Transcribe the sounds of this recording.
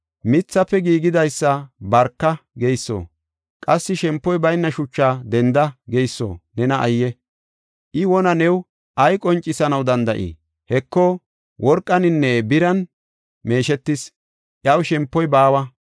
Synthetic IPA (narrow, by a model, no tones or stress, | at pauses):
mɪt͡sːɐpːɛɡiːɡɪd̪ɐjsːɐbɐɾkːɐɡejsːo̰ː | kʼɐsːɪʃɛmpːɔjbɐjnːɐʃʊt͡ʃːaːd̪ɛnd̪ɐɡejsːo̰ːnɛnɐʔɐjːɛ | ʔɪwɔnɐnɛw | ʔɐjkʼɔnt͡ʃʼːɪsɐnɐwd̪ɐnd̪ɐʔḭ | hɛkːɔ | wʔɔɾkʼːɐnɪnːɛbɪɾɐn | me̞ːʃɛt̪ːɪs | ʔjɐwʃɛmpːɔjbaːwɐ